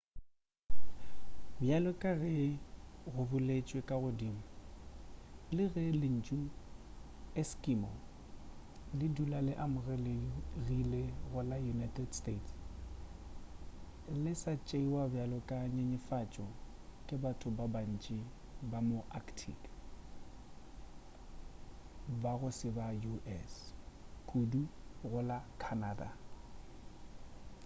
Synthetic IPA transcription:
bjalɔkʼaɣɛ | ɣʊbʊlet͡ʃʼwekʼaɣʊdiːmʊ | lɪɣɛlɪn̩t͡ʃʼu | ɛskʼimɔ̰ | lɪdulalɪʔamʊrɛlɪrileɣʊlajunatʰɛdstets | lɪsat͡ʃʼeiwabjalɔkʼaɲeɲɪfat͡ʃʼɔ | kʼɪbatʰʼʊbaban̩t͡ʃʼɪ | bamoʔakʰtʰḭk | baɣʊsɪbajuʔɛskʰʼuduɣʊlakʰanaːda

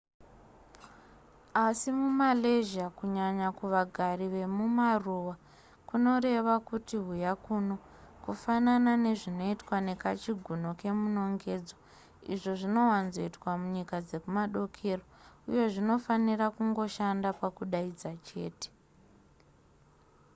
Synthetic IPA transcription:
asimumaleʒakuɲaɲakuʋaɡʱariʋe̞mumaruwa | kuno̞ɾe̞ʋakutiɦujakuno̞ | kufananane̞ʐino̞itwane̞kat͡ʃiɡʱuno̞ke̞muno̞ŋɡe̞d͡zo | ḭʐo̞ʐino̞wanzo̞itwamuɲikad͡ze̞kumaɗo̞kʰe̞ːroṵjo̞ʐino̞fanirakuŋɡo̞ʃandapakuɗaid͡zat͡ʃe̞ːte̥

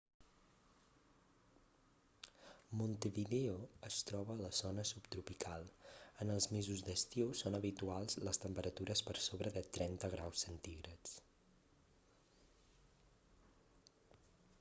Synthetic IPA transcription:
munt̪əβiðeoəst̪ɾɔβəːləzonəsupt̪ɾupikʰalˠənəlˠzmezuzd̪əst̪iosonəβit̪ualˠzləst̪əmpəɾət̪uɾəspəɾsoβɾəðət̪ɾɛnt̪əɣɾawsːənt̪iɣɾət͡s

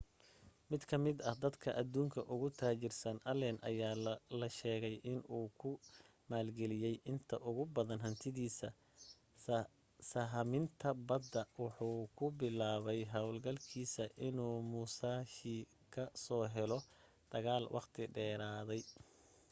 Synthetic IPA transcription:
mɪd̪kʰɐmɪd̪ɐhd̪ɐd̪kʰɐʔɐd̪uːŋkʰɐʔʊɣʊt̪ʰaːt͡ʃɪrsɐnʔɐlɛnʔɐ̰jaːlɐʃɛːɣɛjʔɪnuːkʰʊ | maːlɡɛlɪjɛjʔɪnt̪ʰɐʔʊɣʊbɐðɐnɦɐnt̪ʰɪðiːsɐ | sɐɦɐmɪnt̪ʰɐbɐd̪ːɐwɑħuːkʰʊbɪlaːβɛjɦɐwlɡɐlkʰiːsɐʔɪnuːmuːsaːʃiː | kʰɐsɔːɦɛlɔ | d̪̥ɐɣaːlwʔɑ̰qt̪ʰɪɖɛːɾaːðɛj

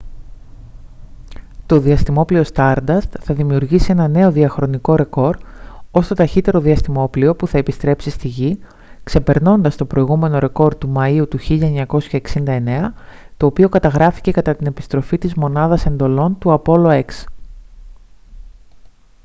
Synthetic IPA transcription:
t̪o̞ðiɐst̪imo̞plio̞st̪ɐɾd̪ɐst̪θɐðimiuɾʝisie̞nɐne̞o̞ðiɐxɾo̞niko̞ɾe̞ko̞ɾd̪o̞st̪o̞t̪ɐçit̪e̞ɾo̞ðiɐst̪imo̞plio̞puθɐepist̪ɾe̞psist̪iʝi | kse̞pe̞ɾno̞nd̪ɐst̪o̞pɾo̞iɣume̞no̞ɾe̞ko̞ɾd̪umɐiut̪uçiʎɐe̞ɲɐko̞sçɐeksind̪ɐe̞ne̞ɐ | t̪o̞ːpio̞kɐt̪ɐɣɾɐfi̥ce̞kɐt̪ɐt̪ine̞pi̥st̪ɾo̞fit̪izmo̞nɐðɐse̞nd̪o̞lo̞nt̪uɐpo̞lo̞e̞ks

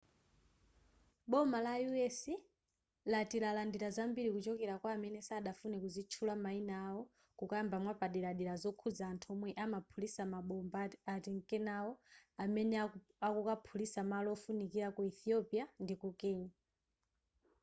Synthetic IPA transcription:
ɓɔmalajuɛsi | latiɾalandiɾazambiɾikut͡ʃɔkɛɾakwaːmɛnɛsaːɗafunɛkuzit͡ʃʰulamainaːwɔ | kukaambamwapaɗiɾaɗiɾazɔkʰud͡zaːntʰuɔmwɛʔamapʰulisamaɓɔmbatiŋkɛnawɔamɛnɛ | akukapʰulisamalɔɔfunikiɾakuɛθiɔpiandikukɛːɲa

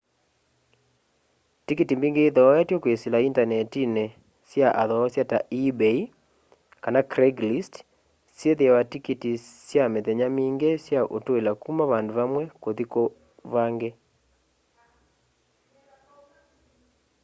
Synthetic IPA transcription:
tikitimbiŋɡeːðɔːatjɔkweselaintanɛtine | sjaʔaðɔɔsjataibei | kanakɾɛɡlist | sjeðeawatikitisjameðɛɲamiːŋɡesjaʔotoelakumaβandoβamwɛkoðiko | βaŋɡe

